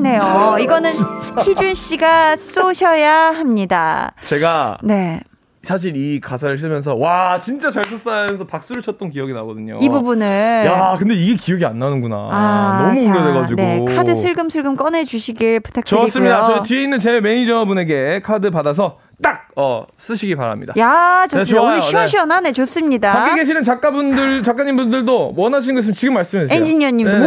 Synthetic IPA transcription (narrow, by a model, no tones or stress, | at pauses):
ne̞joiɡʌnɯnʰiunɕ͈iɡas͈oɕʰʌjaɦamɲida̰t͡ɕe̞ɡane̞ | sʰaɕ̬ʰiɾikasʰaɾɯɭɕ̬ʰiɭmjʌnsʰʌwat͡ɕint͡ɕ͈at͡ɕaɭtʰɯs͈ajamjʌnsʰʌpak̚s͈uɾɯɭt͡ɕʰʌt̚t͈ʌnkijʌɡina̰ɡʌdɯɲo̰ibubunɯɭjakɯnde̞iɡe̞kiʌɡia̰nːanɯnɡuna̰anʌmuuɾʌdeɣad͡ʑineokʰadɯsʰɯɭɡɯmsʰɯɭɡɯmk͈ʌne̞d͡ʑuɕʰiɡiɭpu̥tʰak̚t͡ɕʌs͈ɯmɲidat͡ɕʌitieinːɯnt͡ɕeme̞ɲid͡ʑʌnʌbune̞ɡe̞kʰadɯpadas̬ʰʌ | t͈ak̚ʌ̰s͈ɯɕʰiɡipa̰ɾa̰mɲḭda̰jat͡ɕoneɕʰuɕʰʌnanet͡ɕos͈ɯmɲidat͡ɕak͈iɡeɕ̬ʰinɯnt͡ɕak͈abundɯɭt͡ɕak͈aɲinmbundɯɭdowʌnaɕ̬ʰinɯnɡʌs̬ɯmt͡ɕiɡɯmːaɭs͈ɯmesend͡ʑiɲʌɲime